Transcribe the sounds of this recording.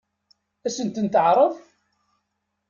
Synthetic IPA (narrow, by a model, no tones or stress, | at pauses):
æsənt̪ənt̪əʕɾˤəf